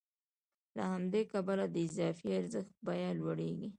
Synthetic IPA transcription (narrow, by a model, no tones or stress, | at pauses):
lahamd̪ekabalad̪əɪzɑfiaɾzəxt̪̚bɑjalwaɽeɡi